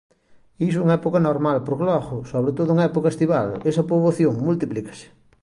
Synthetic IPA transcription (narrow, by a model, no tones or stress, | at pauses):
is̬uŋɐɛpokɐnoɾmalpoɾklɔɣʊsoβɾet̪oðʊuŋɐɛpokɐest̪iβa̰lesɐpɾoβoθjoŋmult̪iplikɐ̥sɪ̥